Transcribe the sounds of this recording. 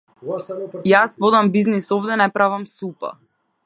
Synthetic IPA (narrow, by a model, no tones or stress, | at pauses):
jasvɔd̪ambiznisɔvd̪ɛnɛpɾavamsupa̰